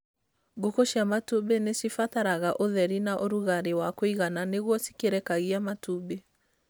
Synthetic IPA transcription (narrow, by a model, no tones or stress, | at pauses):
ɡokoʃiamatubenesifataɾaɣaʔoðɛɾinaʔoɾuɣaɾewakoiɣananeɣwɔsi̥keɾɛkaɣiamatube